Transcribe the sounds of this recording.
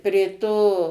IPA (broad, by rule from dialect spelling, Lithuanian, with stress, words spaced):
pʲrʲeː ˈtoː